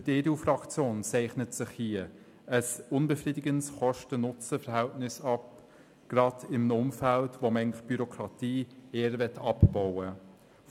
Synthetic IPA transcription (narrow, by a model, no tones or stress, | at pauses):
d̥əd̥eːdeuːfrɑkt͡sjoːnt͡sɛɪχnətsɪχhiə | əsʊnbɛfriːdɪɡənsχɔʃtənʊt͡səfəɾhæltnɪsɑp̚ | ɡ̥ɾɑdɪmnʊmfæltvomɛŋlɪχb̥yɾokʰɾɑtiːeːɾvɛtʰɑpb̥ɔʊə